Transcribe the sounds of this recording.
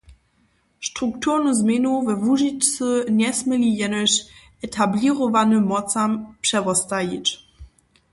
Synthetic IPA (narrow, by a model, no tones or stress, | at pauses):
ʃtʁ̥uk̚tʰuʁnuzmenuvɛvuʒit͡ʃt͡sənʲɛsmɛlijɛnəɕʔɛtʰabliʁɔvanəmɔt͡sampʂɛvɔstajit͡ɕ